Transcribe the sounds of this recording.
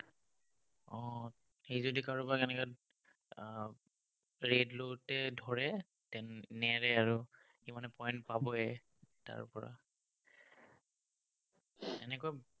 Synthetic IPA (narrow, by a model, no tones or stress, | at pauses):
ɔ | xejzodikaɹɔbakɛnɛka | ɹedlotɛdʱɔɹɛ | tɛnːɛɹɛaɹu | ximanɛpɔjntpabɔɛ | ta̰ɹpɔɹa̰ | ɛnɛko